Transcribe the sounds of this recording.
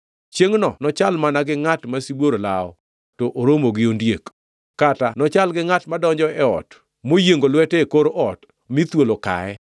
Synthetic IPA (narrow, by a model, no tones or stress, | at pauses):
t͡ʃjeŋnɔnɔt͡ʃalmanaɡɪŋatmasibwoɾolaɔ | toʔoɾomoɡɪondjek | katanɔt͡ʃalɡɪŋatmadɔɲd͡ʒɔɛɔ̰t | mojeŋɡolwɛtekoɾʔɔt | mit̪woloka̰ɛ